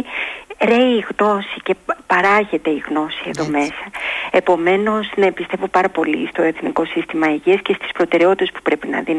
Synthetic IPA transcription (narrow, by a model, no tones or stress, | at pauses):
ɾe̞iːɣno̞sice̞pɐɾɐʝe̞t̪e̞iɣno̞sie̞ðo̞me̞sɐe̞po̞me̞no̞znɐpist̪e̞vo̞pɐɾɐpo̞lḭst̪o̞e̞θniko̞sist̪imɐeʝiɐsce̞st̪i̥spɾo̞t̪e̞ɾeot̪it̪e̞spu̥pɾe̞pinɐ̰ðin